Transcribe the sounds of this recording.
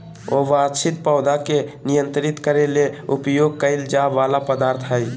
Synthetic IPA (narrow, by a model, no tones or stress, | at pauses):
oʋaːd̪sɪt̪̚pɔʊd̪akenɪjə̃nt̪ɾɪt̪kəɾeleʊpjoːɡ̚kəɪld͡ʒaʋaːlapəd̪aːɾt̪ʰɦɛi